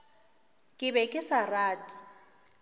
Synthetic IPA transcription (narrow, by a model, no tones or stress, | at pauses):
kʼɪbɛkʼɪsaraːtʼḁ